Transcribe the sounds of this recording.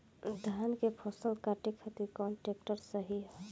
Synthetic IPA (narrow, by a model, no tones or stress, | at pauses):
d̪ʱankepʰɔsəlkaʈikʰːat̪iɾkɔɳʈɾekʈəɾsəɦiɦɛ